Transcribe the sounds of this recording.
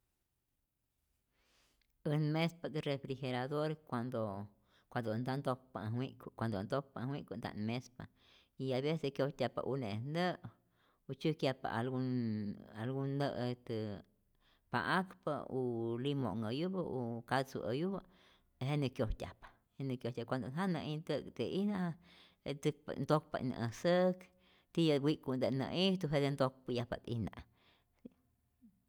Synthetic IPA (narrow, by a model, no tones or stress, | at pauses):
ənmespad̪ɨrefɾiheɾaðoɾkʷand̪o | kʷad̪ond̪and̪okpa̰ɦwiʔkkʷand̪ond̪ok̚pawiʔkʷund̪a̰ʔnmespa | iaβesekjot̪ʲapa̰ʔunend̪ə | ut͡ʃɨkjapa̰ʔalu | alɡund̪əʔt̪ɨ | pa̰ʔakpaulimo̰ʔŋəjubaukat͡sṵʔəjuba | ɦenikjoht̪ʲa̰pḁ | henəkjoht̪ʲapkʷand̪onɦanãʔint̪əkt̪eina | et̪ɨpnd̪ok̚pa̰na̰ʔəsək | t̪ijawikund̪enã̰ʔiht̪uɦed̪end̪ok̚pɨjahpa̰t̪ḭnã̰